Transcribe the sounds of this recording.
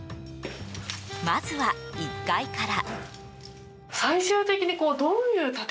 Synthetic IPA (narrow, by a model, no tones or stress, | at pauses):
mazɨβaikːaikaɾa | saiɕɨːt̪e̞kʲiɲ̟iko̞ːd̪o̞jɯ̟ːt̪at̪